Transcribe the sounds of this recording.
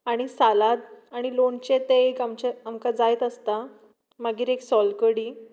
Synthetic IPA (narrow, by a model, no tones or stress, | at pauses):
aɽ̃isalat̪̚aɽ̃ilont͡ɕet̪eekamt͡ɕeamkad͡zajt̪əst̪a | məɡiːɾeksɔlkəɽiː